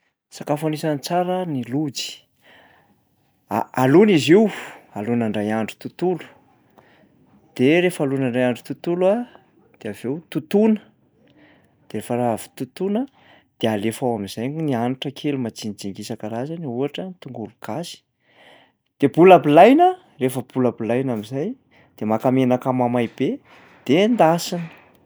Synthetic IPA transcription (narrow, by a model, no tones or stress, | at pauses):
sakafanisanit͡saɾənilud͡zi̥ | a̰aluniziwalunaɳɖ͡ʐajaɳɖ͡ʐu̥t̪ut̪ulu̥ | d̪̥eɾefalunaɳɖ͡ʐajaɳɖ͡ʐut̪ut̪ulua | d̪̥eavewt̪ut̪unə | d̪̥eɾefəɾaavu̥t̪ut̪unə | d̪̥ealefawamizajŋnianuʈ͡ʂəkʰelumat͡sinid͡ziŋɡisakəɾazaniuaʈ͡ʂənit̪uŋɡulukasi̥ | d̪̥ebulabilajnə | refəbulabilajnamizaj | d̪̥emakamenakamamajb̥e | d̪̥end̪asini̥